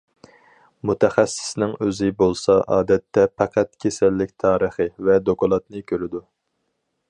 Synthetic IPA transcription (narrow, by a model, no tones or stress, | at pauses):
mut̪ʰɛχæsːɪ̥snɪŋøzɪbolˠsɑʔɑ̰ːd̪ɛt̪ʰːɛpʰæqæt̪kʲʰesɛlːɪkʲt̪ʰɑːɾəχɨvɛd̪okɑlˠɑt̪nɨkʲʰøɾɪd̪u